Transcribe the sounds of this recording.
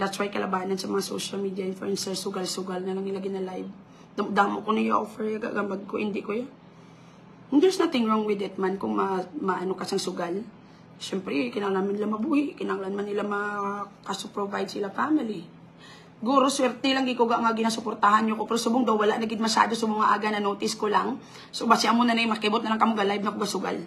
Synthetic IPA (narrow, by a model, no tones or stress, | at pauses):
d̪at̪swajkɐlɐbaːnɐnsɐmɐŋaso̰ʃɐlmid̪jɐʔɪnflṵʔɛnsɛsʊɡalsʊɡalnɐlaŋnɪlaɡɪnalajv | d̪ɐmd̪amoʔkonɐjoʔofɛɹjaɡa̰ʔɡambaɡ̚koʔhɪnd̪ɪʔkojo | ŋd͡ʒɛsnat̪ɪŋɹoŋwɪd̪ɛt̪̚mankʊŋmɐmɐʔɐnokɐsaŋsʊɡal | ʃɛmpɾɛkɪnaːŋlanmanːɪlamɐbuːhɪʔkɪnaŋlanmanːɪlamɐkasʊpɾovajd̪sɪlafamɪli | ɪɡuːɾoswɛɾt̪ɛlaŋɡɪkoɡaʔŋaɡɪnaːsʊpoɾt̪ahanɲokopɛɾosʊbʊŋd̪ɐwwɐlaʔnɐɡɪd̪̚mɐʃa̰ːd̪osɐmɐŋaʔa̰ːɡanɐnoːt̪ɪskolaŋ | sobasɪʔɐmʊnɐnɐjmɐkɪbot̪nɐlaŋkɐmoɡɐlajb̚nɐkoɡasʊɡa̰l